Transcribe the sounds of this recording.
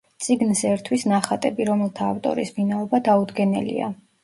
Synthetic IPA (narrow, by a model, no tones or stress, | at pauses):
t̪sʼiɡnsɛɾt̪ʰwisnaχat̪ʼɛbiɾɔmɛlˠt̪ʰaːft̪ʼɔ̰ɾisminaɔbad̪aud̪ɡɛnɛ̰lḭa̰